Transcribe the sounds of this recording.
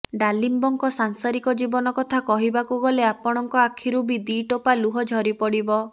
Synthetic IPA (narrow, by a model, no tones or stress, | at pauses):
ɖalimbɔŋkɔsaŋsaɾikɔd͡ʒibɔnɔkɔt̪ʰakɔɦibakuɡɔleapɔɽ̃ɔŋkɔakʰiɾubid̪iʈopaluɦɔd͡ʒʱɔɾipɔɽibɔ